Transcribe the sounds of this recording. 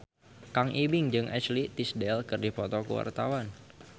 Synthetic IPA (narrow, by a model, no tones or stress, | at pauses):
kaŋʔibɪŋd͡ʒɨŋʔɛ̰t͡ʃlit̪isdɛlkɨrdipɔt̪ɔkə̰wa̰rt̪awan